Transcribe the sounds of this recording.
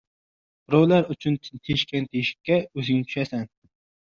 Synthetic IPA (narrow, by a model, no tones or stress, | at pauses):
ɾowlæɾyt͡ʃʰynt̪ʰeʃkʲʰɛnt̪ʰejiʃɪ̥kʲːɛøzɪŋnɪt͡ʃ̪ʰy̥ʃɛsɛn